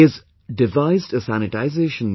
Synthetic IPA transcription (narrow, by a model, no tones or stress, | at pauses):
ɪz | dɨvaɪzdəsæñɨtaɪzeɪʃə̃n